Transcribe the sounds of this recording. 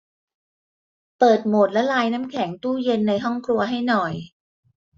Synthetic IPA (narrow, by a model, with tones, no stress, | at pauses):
pɤː˨˩t̪̚moː˨˩t̪̚lɛ˦˥laː˧jna˦˥mkʰɛ˩˦ŋt̪uː˥˩je˧nːa˧jɦɔ˥˩ŋkʰɾu˧ɐɦa˥˩jnɔ˨˩j